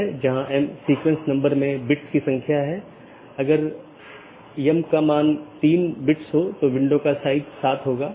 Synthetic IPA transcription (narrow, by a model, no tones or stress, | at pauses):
ɛd͡ʒɐɦãʔɛmsɾiːkʋẽnsnɐ̃mbəɾmẽbɪʈskisɐ̃ŋkʰjaɦɛ | ɐɡəɾ | jɐmkamaːnt̪iːnbɪʈsɦot̪oʋɪ̃ɳɖõkasaːɪd̪saːt̪ʰɦoːɡaː